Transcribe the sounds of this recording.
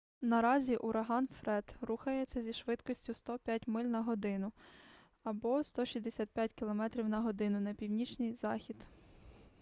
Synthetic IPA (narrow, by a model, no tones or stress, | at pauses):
nɐɾɑzʲiʔʊɾʔɐɦɑnfɾɛd̪ruxɐjɛsʲɛzʲiʃʋɪt̪kɔsʲtʲʊst̪ɔpʲjatʲmɪlʲnɐɦɔd̪ɪnʊ | ɐbɔst̪ɔʃʲizd̪esʲat̪̚pʲjatʲkʲilˠɔmɛt̪ɾʲiwnɐɦɔd̪ɪnʊnɐpʲiwnʲit͡ʃnʲɨjzɑxʲid̪